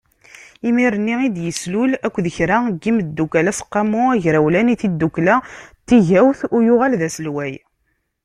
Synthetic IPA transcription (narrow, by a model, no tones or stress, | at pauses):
imiɾənːiid̪jəslulækʷːðəçɾaɡːimd̪ːukælæsə̥qːɑmuæʝɾæwlæniθid̪ːukːlæt̪ːiʝæwθʊjʊʁalðæsəlwæj